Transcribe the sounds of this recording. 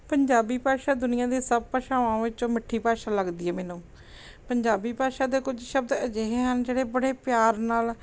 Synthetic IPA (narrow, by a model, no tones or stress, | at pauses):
pəɲd͡ʒaːbiːpaːʃaːd̪ʊnɪjãːd̪iːsəb̚paːʃaːʋãːʋɪt͡ʃõːmɪʈʰːiːpaːʃaːləɡd̪iːɛːmɛːnũː | pəɲd͡ʒaːbiːpaːʃaːd̪eːkʊd͡ʒʃəb̚d̪əd͡ʒeɦeːɦənd͡ʒeːɽeːbəɽeːpjaːɾnaːl